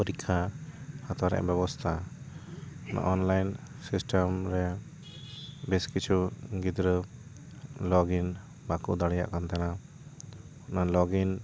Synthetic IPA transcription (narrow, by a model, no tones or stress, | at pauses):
pəɾikʰːahat̪aɾɛ̰ʔbɛbɔst̪ʰa | ɔna̰ʔɔnlajn | sisʈʰəmɾɛ | biskit͡ʃʰuɡid̪ɾə | lɔɡin | bakuʔd̪aɽɛja̰ʔkant̪ana | ɔnalɔɡin